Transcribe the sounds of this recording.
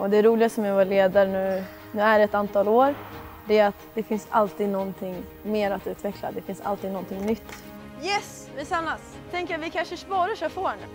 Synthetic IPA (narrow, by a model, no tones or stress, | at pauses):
ɔd̪ɛɾuːlɪɡasɔmjavaːɾleːd̪aɾənʉ̟ː | nʉ̟ːæɖɛɛt̪ant̪ʰɑːloːɾd̪ɛæɾat̪d̪ɛfɪnsa̰lt̪iːd̪nɔnt̪ʰɪŋ | meːɾat̪ʉ̟ːt̪vɛkʰla̰d̪ɛfɪnsa̰lt̪id̪nɔnt̪ʰɪŋnʏt̪ː | jɛs | vɪsamlas | t̪ʰɛŋkəjavɪkʰanʂəspɑːɾaʂafoːɾɛn